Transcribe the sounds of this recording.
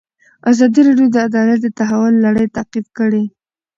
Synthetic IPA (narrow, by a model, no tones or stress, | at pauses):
azɑd̪iɾɑɖjod̪əad̪ɑlat̪̚d̪ət̪aɦawʊlːaɽəjt̪aqifkəɽe